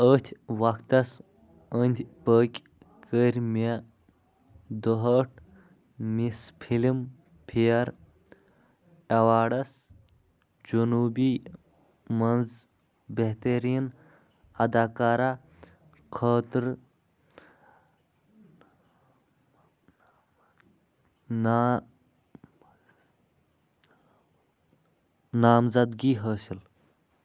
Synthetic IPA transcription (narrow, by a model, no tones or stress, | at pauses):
ət̪ʲʰʋɐkt̪ɐs | ənʲd̪ʲpəːkʲ | kəɾʲme | d̪əɦəːʈʰ | mispʰilim | pʰijɐɾ | ɐwaːɖɐs | d͡ʒunuːbi | mɐnz | beɦt̪eɾijn | ɐd̪aːkaːɾa | kʰəːt̪ɾ | nː | naːmzɐd̪ɡiːɦəːsil